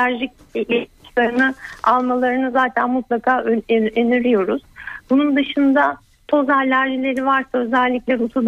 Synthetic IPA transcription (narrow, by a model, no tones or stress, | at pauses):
æɾʒic | ei̥ʃlˠaɾɯnɯalˠmalˠaɾɯnɯzaːt̪ʰænmut̪lˠakʰaːøenyɾyjo̞ɾuz̥bunund̪ɯʃɯnd̪a | t̪ʰo̞zaalʲæɾʒilʲe̞ɾivaɾsaø̞zælʲːicʲlʲeɾut̪ʰud̪